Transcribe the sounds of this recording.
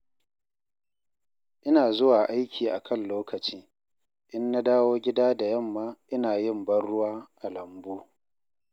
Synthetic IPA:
ʔɪ˦naː˨zʊ˦waː˨ʔa˦jkʲʰiː˨ʔa˨kʰɐ˦˨nloː˦kɐ˨t͡ʃiː˦ | ʔɪ˦nːa˦daː˦woː˦ɡʲɪ˦daː˦da˨jɐ˦˨mːaː˦ʔɪ˦naː˨jɪ˦˨mbɐ˦rːʊ˦waː˦ʔa˨lɐ˨mbuː˦

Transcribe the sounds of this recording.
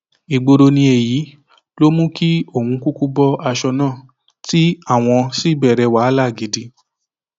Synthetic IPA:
i˨ɡ͡bo˧ɾo˧nĩ˧e˨ji˨˦ | lo˦mũ˦ki˦o˦˨hũ˧ku˦ku˦bɔ˦ʔa˧ʃɔ˧nãː˦˨ | ti˦a˦˨w̃ɔ̃˧si˦bɛ˦˨ɾɛ˧wa˨˦la˦˨ɡi˨˦di˧

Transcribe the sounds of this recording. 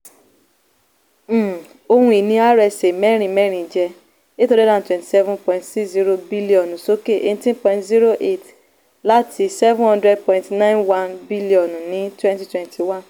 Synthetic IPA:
o˧hũ˧i˨nĩ˧a˦ɾɛ˧˨se˨mɛ˦ɾ̃ĩ˧˨mɛ˦ɾ̃ĩ˨d͡ʒɛ˧ | e˦to˧ɾi˦lã˦˨twɛ̃˨nti̥˨sɛ˦vũ˦npɔ̃˧˨ĩntsi˦zi˦ɾo˧bi˦li˦ɔ̃˨nũ˨so˦ke˦˨ʔe˦˧n˦tĩ˦npɔ̃˧ĩ˧tzi˦ɾo˦ʔe˦˨t | la˦tʰi˧˦sɛ˦vũ˦hɔ̃˧ndɾɛ˦d̚pɔ̃˧ĩntnã˦j̃nwã˦nbi˦li˦ɔ˨ñ˨nĩ˦twɛ̃˦nti˦twɛ̃˨ntʰi˨wã˦n

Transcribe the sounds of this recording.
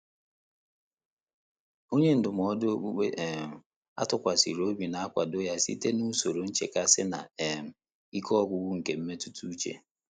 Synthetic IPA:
o˦ɲe˦n̩˨dʊ˨m˨ɔ˦do˦u˦e˦ʔm̩˨ | a̰˦tʊ˨kʷa˨sḭ˨ɾo˦bi˨na˨a˦kʷa˨do˦ja˦sḭ˦te˦nu˦so˨ɾo˨n̩˦t͡ʃe˨ka˦sɪ˦na̰˨e˨m̩˨ | i˦kʰɔ˦ɡʷʊ˨ɡʷʊ˦ŋ̩˨ke˨m̩˦me˦tu˦tu˦u˦t͡ʃḛ˨

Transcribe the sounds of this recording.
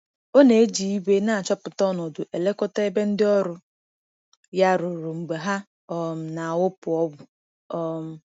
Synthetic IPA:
o˦ne˨e˦d͡ʒi˨i˦be˦na˦˨t͡ʃɔ˦pʊ˨tɔ˦nɔ˨dʊ˨ʔe˨le˦kɔ˦ta˦e˦be˦n̩˦dɪ˦ɔ˦ɾʊ˦ | ja˦ɾʊ˨ɾʊ˨ŋ͡m̩˨ɡ͡be˨ɦa˦ | ɔ˦m̩˨na˨a˨wʊ˦pʊ˨ɔ˦ɡʊ˨ | ɔ˦m̩˦

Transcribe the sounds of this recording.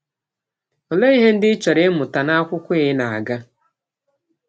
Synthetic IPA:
o˨le˦i˦ɦe˦n̩˦dɪ˦t͡ʃɔ˨ɾɪ˦mʊ˨ta˨na˦kʷʊ˦kʷʊ˦ɪ˦ɦɪ˦na˨a̰˨ɡa˦

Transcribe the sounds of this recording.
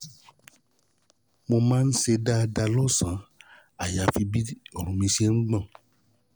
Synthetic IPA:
mo˧mãː˦n̩˦se˧da˦˧da˧lɔ˦˨sã˨˦ | a˨ja˨˦fi˧bi˦ɔ˨ɾũ˨mĩ˧se˦nũ˦ɡ͡bã˦˨

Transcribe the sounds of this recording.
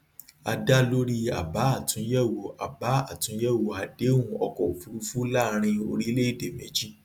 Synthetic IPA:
a̰˧da˦lo˦ɾi˦a̰˨ba˨˦a˦˨tũ˨˦jɛ˦˨wo˨a˨ba˨˦a˦˨tũ˨˦jɛ˦˨wo˨a˨de˨˦ũ˧ɔ˧kɔ˨o˨fu˨˦ɾu˦fu˦la˦ɾ̃ĩ˧o̰˧ɾi˦le˦i˦˨de˨mẽ˨˦d͡ʒi˦

